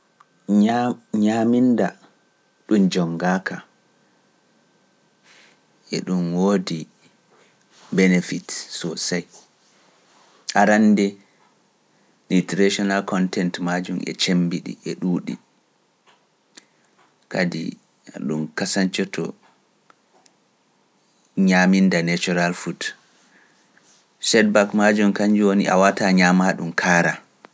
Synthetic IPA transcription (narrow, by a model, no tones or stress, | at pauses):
ɲaminda | ɗumd͡ʒɔŋɡaka | ʔɛɗumwodi | bɛnefitsɔsaj | ʔaɾandɛ | litɾeʃɔnalkɔntɛntmad͡ʒumɛ̰t͡ʃembiɗḭʔɛɗuːɗḭ | kadḭ | ɗumkasaɲt͡ʃɔtʰɔ̰ | ɲamindanɛt͡ʃɔɾalfut | sɛd̚bakmad͡ʒumkaɲd͡ʒiwonḭʔa̰wataɲamaɗumkʰaːɾa